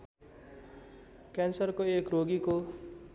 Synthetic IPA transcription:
kansʌrkoekroɡiko

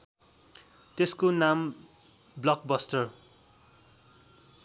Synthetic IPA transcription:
t̪eskonam | blʌk̚bʌsʈʌr

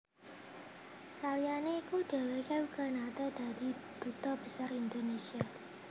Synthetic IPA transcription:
salijaneikud̥e̤wekaukanat̪ed̥̪a̤d̪i̤d̪̥ṳt̪ɔb̥əsarind̪onesia

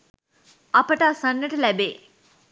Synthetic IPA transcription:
ɐpəʈaːsanːəʈəlɛbeː

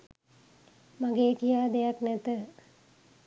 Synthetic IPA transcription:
maɡeːkijaːd̪ejaknɛt̪ə

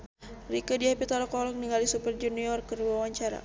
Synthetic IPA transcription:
rikədiapit̪alɔkɔlɔkniŋɡalisupərd͡ʒuniɔrkərwawaɲt͡ʃaɾa̰

